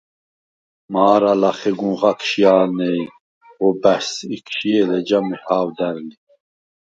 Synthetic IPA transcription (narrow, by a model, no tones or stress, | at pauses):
maːɾalaχɛɡũʁɑkʰʃijaːnɛj | ɔbæsikʰɕiɛlɛd͡ʒamihaːwd̪æɾli